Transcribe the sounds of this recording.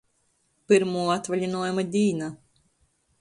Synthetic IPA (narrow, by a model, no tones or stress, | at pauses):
piɾmuːat̪valʲinuɔjumad̪ʲiːna